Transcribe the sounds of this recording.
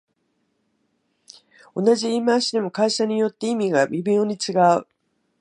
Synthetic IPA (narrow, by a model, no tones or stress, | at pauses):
o̞naʑiimãɕid̪e̞mo̞kaiɕaɲ̟ijo̞t̪ːeimʲiɡamʲibʲĩɰoɲ̟it͡sɨɡaɯ̰